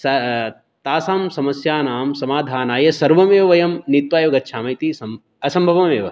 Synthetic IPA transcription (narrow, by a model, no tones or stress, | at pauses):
sɐ | t̪aːsaːmsɐmɐsjaːnaːmsɐmaːd̪ʱaːnaːjɐsɐɾʋɐmeːʋɐjɐmnit̪ʋaːjoːɡɐtːʃʰaːmɐjt̪isɐm | ɐsɐmbʱɐʋɐmeːʋɐ